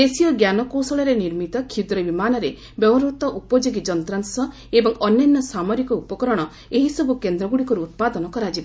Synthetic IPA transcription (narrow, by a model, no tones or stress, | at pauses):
d̪esijɔɡjanɔkosɔɭɔɾeniɾmit̪ɔkʰid̪ɾɔbimanɔɾe | bjɔbɔɾut̪ɔʔupɔd͡ʒoɡid͡ʒɔnt̪ɾansɔ | ebɔŋɔnjɔnːɔsamɔɾikɔupɔkɔɾɔɽ̃ɔ | eɦisɔbukend̪ɾɔɡuɽikɔɾuːt̪̚pad̪ɔnɔkɔɾad͡ʒiba